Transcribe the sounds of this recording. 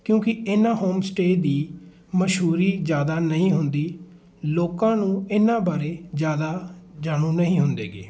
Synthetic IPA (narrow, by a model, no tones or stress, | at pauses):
kjõːkɪɪnãːhoːmsʈeːd̪iː | məʃɦuːɾiːzjaːd̪aːnəɦĩːɦʊnd̪iː | loːkãːnũːɪnãːbaːɾeːzjaːd̪aːd͡ʒaːɳũːnəɦĩːɦʊnd̪ḛːɡḛː